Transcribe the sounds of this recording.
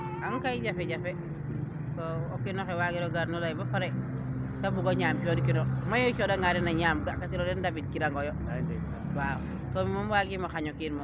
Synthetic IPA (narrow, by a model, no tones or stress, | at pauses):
aŋkaid͡ʒafeɟafe | tookinoxewaɡiɾoɡaɾnulajbafaɾetabuɡoɲaːmt͡ʃodikinomajot͡ʃodaŋaɾinaɲamɡakatiɾodendabit̚kiɾaŋɡojo | aedosa̰baw | tomimamwaɡimoxaɲokiɾmo